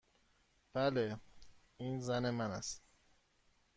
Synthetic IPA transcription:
b̥æle | iːnzæne̞mænæst̪

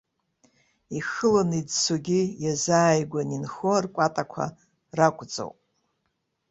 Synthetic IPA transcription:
ixɨlanidsʰoɡʲijazaːjɡʷaninχorkʷʼatʼakʷʰa̰ | rakʷʼt͡sʼo̰wpʼ

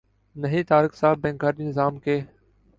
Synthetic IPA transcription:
nəɦiːt̪aːɾɪksaːbːẽːŋɡaːɾɗiːnɪzaːmkeː

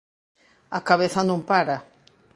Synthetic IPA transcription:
akaβeθɐnõmpaɾa

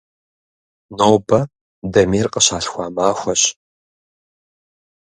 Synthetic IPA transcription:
noːbɐ | dɐmiːrqəɕaːɬxʷaːmaːxʷɐɕ

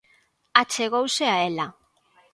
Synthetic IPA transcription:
at͡ʃeɣowseaela

